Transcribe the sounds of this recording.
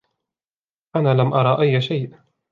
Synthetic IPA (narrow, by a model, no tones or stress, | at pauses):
ʔanaːlamʔɑɾˤɑːʔajːʃajʔ